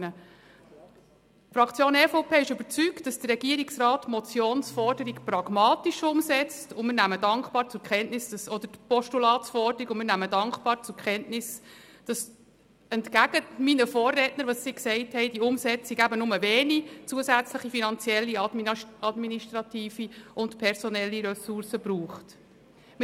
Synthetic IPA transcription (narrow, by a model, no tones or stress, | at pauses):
ə | fɾɑkt͡sjoːnɛfoʊpʰeːɪʃʏbət͡syktd̥ɑsd̥ərːɛɡ̥iəɾiksrɑːtmɔt͡sjoːnsfɔrdəɾikprɑɡ̥mɑːtiʃʊmsɛt͡stʊmɪɾnæmədɑŋkχpɑːɾt͡sʊɾkχɛntnɪsd̥ɑsɔd̪əɾpɔʃtulɑːtsfɔrdəɾiɡʊnmɪːnæmədɑŋkχpɑːɾt͡sʊkχɛntnɪs | d̥ɑs | ɛntkæɡ̥əminəfoːrːɛtnəɾʋɑsːiːksɛɪthɛɪd̥iʊmsɛt͡siɡæbənʊməveːnit͡suəsæt͡sləχifinɑnt͡siɛlːimɑdminiʃtɾɑtiːfiʊntpʰɛɾsɔnɛlːiɾɛsuɾsəbɾuːχt | m